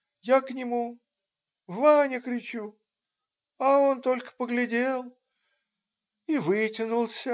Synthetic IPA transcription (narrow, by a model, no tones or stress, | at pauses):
jaknʲɪmu | vanʲɪkɾʲɪt͡ɕu | ɐo̞nt̪o̞lʲkə̥pəɡlʲɪdʲelˠ | ivɨtʲɪnʊlˠsʲə